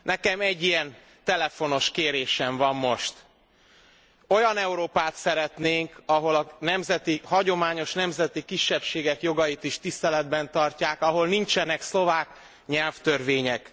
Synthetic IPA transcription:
nɛkɛmɛɟːijɛn | t̪ɛlɛfo̞no̞ʃkeːɾeːʃɛɱvɒmːo̞ʃt̪ | o̞jɒnɛuɾoːpaːt̪sɛɾɛt̪neːŋkɒɦo̞lɒnɛmzɛt̪ihɒɟo̞maːɲo̞ʃnɛmzɛt̪ikiʃːɛpʃeːɡɛkjo̞ɡɒjit̪iʃt̪ist̪ɛlɛd̪bɛnt̪ɒrcaːkɒɦo̞lnint͡ʃɛnɛkslo̞vaːk | ɲɛlft̪ørveːɲɛk

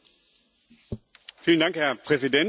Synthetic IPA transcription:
fiːləndaŋkhɛɐpʁ̥ɛzidɛn

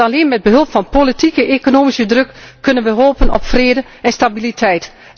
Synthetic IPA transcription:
aleːnmɛd̚bəɦølˠpfɑnpolitikəʔekonoːmisədrøkːønənʋəɦoːpənɔ̰pfreːdə | ɛnstabilitʰɛjt

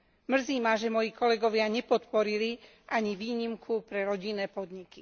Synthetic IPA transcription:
mr̩ziːmaʒɛmɔjiːkɔlɛɡɔʋɪaɲɛpɔt̪pɔɾili | ʔaɲiʋiːɲimkʰupɾɛɾɔɟinːɛːpɔd̪ɲiki

